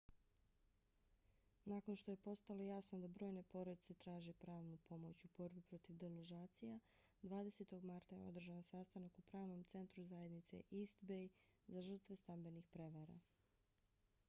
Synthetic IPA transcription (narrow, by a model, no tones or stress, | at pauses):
nako̞nʃt̪o̞je̞po̞st̪alˠo̞jaːsnod̪abɾo̞ːjne̞po̞ɾod̪it̪se̞t̪ɾaːʒepɾaːʋnupʰo̞mo̞t͡ɕubo̞ɾbipɾo̞t̪iʋd̪eloʒaːt̪sija | d̪ʋaːd̪e̞se̞t̪o̞ɡmaɾt̪aje̞̰o̞̰d̪r̩ʒaʋansast̪anakupɾaːʋno̞mt̪se̞nt̪ɾuzajed̪nit̪se̞̰ʔist̪bejzaʒər̩t̪ʋe̞st̪ambe̞nixpɾe̞ʋaɾa̰